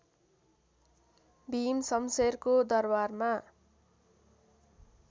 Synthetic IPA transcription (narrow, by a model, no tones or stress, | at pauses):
bimsʌmserkod̪ʌrbarma